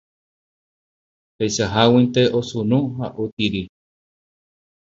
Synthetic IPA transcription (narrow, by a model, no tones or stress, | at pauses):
hejʃaɦawĩnt̪eʔosunũɦaʔut̪iɾi